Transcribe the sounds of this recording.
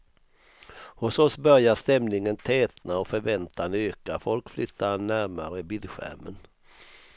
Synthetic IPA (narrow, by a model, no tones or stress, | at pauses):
hʊsɔsbœɾjaʂt̪ɛmnɪŋənt̪ʰɛːt̪naɔfœɾvɛnt̪ʰanøːkafɔlkflʏt̪ʰːanæɾmaɾəbɪlɧæ̰ɾmə̰n